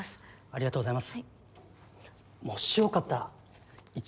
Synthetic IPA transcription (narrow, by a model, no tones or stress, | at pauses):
aɾʲiɡat̪oːɣozaimasɨ̥ | moɕiokat̪ːa | it͡ɕ